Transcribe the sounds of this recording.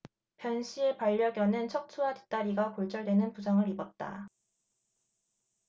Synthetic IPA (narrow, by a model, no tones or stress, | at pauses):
pjʌnɕʰiepaʎːʌɡjʌnɯnt͡ɕʰʌk̚tʰuati̥t͈aɾiɡakoɭt͡ɕ͈ʌɭdwe̞nɯnpusʰaŋɯɾibʌt̚t͈a̰